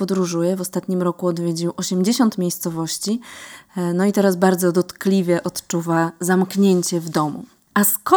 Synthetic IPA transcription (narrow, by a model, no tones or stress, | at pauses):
pɔd̪ɾuʐujɛvɔst̪at̪ɲimɾɔkuɔd̪vʲjed͡ʑiwʔɔɕɛmd͡ʑeɕɔnt̪mʲjejst̪sɔvɔɕt͡ɕi | nɔit̪ɛɾazbaɾd̪zɔd̪ɔt̪klʲivʲjɛʔɔt̪t͡ʂuvazamkɲeɲt͡ɕɛvd̪ɔmṵ | ʔaskɔ